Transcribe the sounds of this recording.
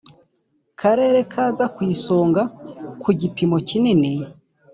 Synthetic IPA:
kʰaɾe̞ːɾe̞kʰaːzakwiːso̞ːŋɡakuɟipimo̞cinini

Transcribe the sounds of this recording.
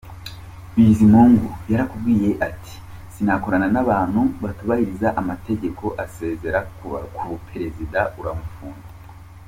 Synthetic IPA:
βizimuːŋɡujaɾakub̚ɡiːje̞ʔatʰi̥ | sinako̞ɾananaβaːn̥huβatuβahiɾizaʔamate̞ɟe̞kʰo̞ʔase̞ːze̞ɾakʰuβupʰe̞ɾe̞zidauɾamufuːna

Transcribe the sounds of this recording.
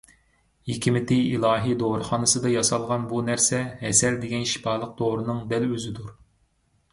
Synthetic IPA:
jikʲʰimɪt̪ɪilˠɑːɦijd̪oɾɨχɑnɨsɨd̪ɑjɑsɑlˠʁɑnbunæɾsɛhɛsɛɾd̪eɡʲɛnʃi̥pɑːlˠəq̚d̪̥oɾɨnɨŋb̪ɛløzɪd̪uɾ

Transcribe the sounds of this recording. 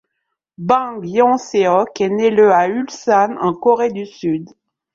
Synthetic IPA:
bɑ̃ɡjɔ̃seɔkɛnɛləaylsanɑ̃kɔʁed̪ysyd̪

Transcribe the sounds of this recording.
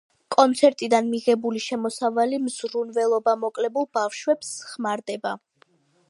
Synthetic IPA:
kʼɔnt̪sʰɛɾt̪ʼid̪anmiʁɛbuliʃɛmɔsavalimz̥ɾunvɛlˠɔbamɔkʼlɛbulˠbafʃwɛpsχmaɾd̪ɛba

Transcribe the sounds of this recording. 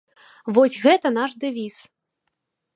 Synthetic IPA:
vɔsʲɣɛt̪ɐn̪aʂd̪ɛvʲis

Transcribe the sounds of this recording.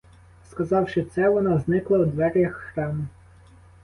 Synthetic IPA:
skɐzɑwʃɪt̪sɛʋɔnɑznɪklˠɐwd̪ʋɛɾʲjɐxːɾɑmʊ

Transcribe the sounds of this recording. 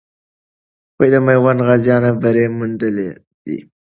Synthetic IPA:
wejd̪əmajwanɣazjɑnabəɾemund̪əle | d̪ḭ

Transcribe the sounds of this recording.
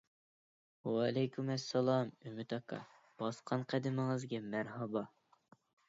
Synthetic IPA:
wɑlɛjkʲʰymæsːɛlˠɑmymɪt̪ɑkʰɑ̰ | b̥ɑsqʰɑnqʰæd̪ɪmɪŋɨzɡʲɛmæɾɦɑbɑ

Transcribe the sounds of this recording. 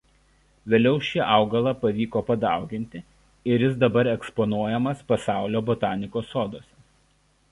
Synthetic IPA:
ʋʲeːlʲɛʊʃʲɪʔɑʊɡɐlˠɐpɐʋʲiːkoːpɐd̪ɑˑʊɡʲɪnʲt̪ʲɪ | ɪɾʲjɪs̬d̪ɐbɐɾɛkspɔnuɔjɛmɐspɐsɑˑʊlʲoːbɔt̪ɑːnʲɪkoːsːoːd̪oːsʲɛ

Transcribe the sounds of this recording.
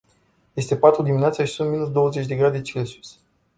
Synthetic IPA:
je̞st̪e̞pat̪ɾud̪imineat̪səaʃisunt̪minus̬d̪o̞wəzet͡ʃʲd̪e̞ɡɾad̪et͡ʃelesu̥s

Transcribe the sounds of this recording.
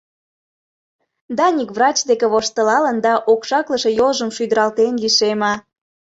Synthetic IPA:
d̪ɑnʲikβrɑt͡ɕd̪ekeβoʃt̪ə̆lɑlənd̪ɑʔokʃɑkləʃe̽jolʒəmʃyd̪ə̆ɾɑlt̪enliʃemɑ

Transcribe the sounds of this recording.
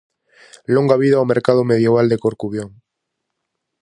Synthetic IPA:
loŋɡaβ̞iðawmeɾkað̞omeð̞jeβ̞ald̪e̞koɾkuβjoŋ

